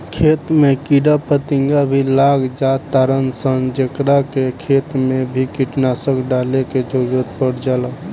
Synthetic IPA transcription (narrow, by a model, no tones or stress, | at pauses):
kʰet̪mekiɖapət̪iŋɡabʱilaɡd͡ʒat̪ːaɾənsənd͡ʒekɾakekʰet̪mebʱikiʈnasəkɖaleked͡ʒoɡot̪̚pəɽd͡ʒala